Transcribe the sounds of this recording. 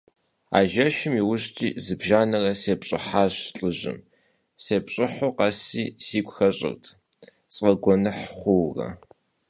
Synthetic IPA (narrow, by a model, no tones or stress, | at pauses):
a̰ːʒɐʃɪmiwʊɕtʰʼḭːzɨbʒaːnɐrɐseːpɕʼɪ̰ħaːɬʼɨʑɪ̰m | seːpɕʼɪħoqɑsiːsiːkʷxɐɕʼɪ̰rtʰ | t͡sʼɐɡʷɔnɨħχʷʊwrɐ̰